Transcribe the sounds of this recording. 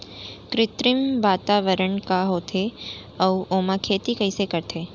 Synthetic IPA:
kɾɪt̪ɾɪmʋaːt̪aʋəɾəɳkaɦot̪ʰe | əuʔomãkʰeːt̪ikəjsekəɾt̪ʰe

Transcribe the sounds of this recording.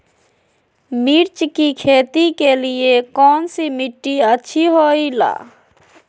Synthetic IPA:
miɾt͡ʃkikʰeːt̪ikelɪekɔːnsimɪʈːiətːʃʰiɦoːila̰ː

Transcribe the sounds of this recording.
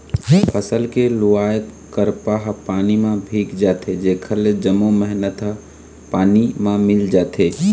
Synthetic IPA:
əsəlkeluaːjət̪ | kəɾpaɦpaːnimãbʱiːkd͡ʒaːt̪ʰed͡ʒeːkʰəɾled͡ʒəmːoməɦnət̪ɦ | paːnimãmɪld͡ʒaːt̪ʰe

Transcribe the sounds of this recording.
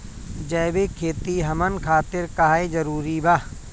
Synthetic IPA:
d͡ʒɐːbekʰeːt̪iɦɐmənkʰaːt̪ɪɾkaɦed͡ʒɐɾuːɾibaː

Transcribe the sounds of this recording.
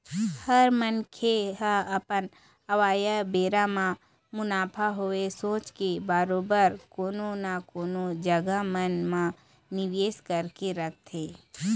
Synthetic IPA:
həɾmənkʰeɦɐpən | ɐʋaːjabeːɾamã | mʊnaːpʰaɦoesoːt͡ʃkebaːɾoːbəɾkoːnonakoːnod͡ʒəɡamənmã | nɪʋeːskəɾkeɾək̚ʰt̪ʰeː

